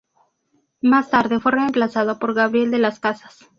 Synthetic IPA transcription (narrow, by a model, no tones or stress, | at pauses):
mast̪aɾðe̞fwe̞re̞ːmplasað̞opo̞ɾɣaβɾje̞ld̪e̞laskasḁs